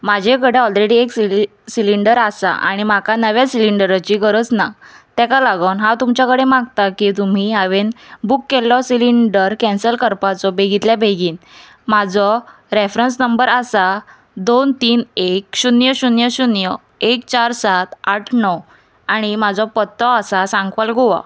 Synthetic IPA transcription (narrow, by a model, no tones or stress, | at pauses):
mad͡ʑʱekəɽeɔlɾeɽieksi | siliɳɖəɾasa̰ʔa̰ɽ̃imakanəʋjasiliɳɖəɾat͡ɕiɡəɾət͡snat̪ɛ̃kalaɡəwnɦat̪umt͡ɕakəɽemãɡ̚t̪akit̪um̤iɦaʋenbukːelːɔsiliɳɖəɾkɛ̃nsəlkəɾpat͡sɔbʱeɡit̪ljabʱeɡiːn | mad͡zɔ | ɾefɾəns̬nəmbəɾasa | d̪ont̪iːnekɕunjəɕunjəɕunjə | ek̚t͡ɕaɾsat̪aʈʰnɔ | aɽ̃imad͡zɔpət̪ːɔasasãŋɡʋalɡoʋa̰